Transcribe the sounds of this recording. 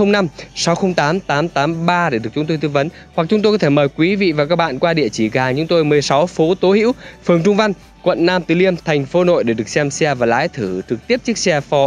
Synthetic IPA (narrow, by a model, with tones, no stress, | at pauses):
ə˧wŋ͡mna˧msa˨˦wxə˧wŋ͡mt̪aː˨˦mt̪aː˨˦mt̪aː˨˦mɓaː˧ɗe˧˩ɗɨ˨˩ək̚t͡ɕʊ˨˦ŋ͡mt̪o˧jt̪ɨ˧və˨˦n | hwa˨˩k̚t͡ɕʊ˨˦ŋ͡mt̪o˧jkɔ˨˦t̪ʰe˧˩məː˨˩jkwi˨˦vḭ˧˨vaː˨˩kaː˦˥k̚ɓa̰ː˧˨nkwaː˧ɗḭ˧˨ət͡ɕi˧˩kːŋt͡ɕʊ˨˦ŋ͡mt̪o˧jmɨ˨˩əjsa˨˦wfo˨˦t̪o˨˦hḭ˧˥wfɨ˨˩əŋt͡ɕʊ˧ŋ͡mva˧jŋ | kwə̰˧˨nːaː˧mt̪ɨ˨˩li˧əmt̪ʰɛ˨˩jŋ̟fo˨˦no̰˧˨jɗe˧˩ɗɨ˨˩ək̚sɛ˧msɛ˧vaː˨˩la̰ː˧˥˦jt̪ʰɨ˧˩t͡ɕɨ˨˩k̚t̪i˦˥əp̚t͡ɕi˦˥k̚sɛ˧fɔ˨˦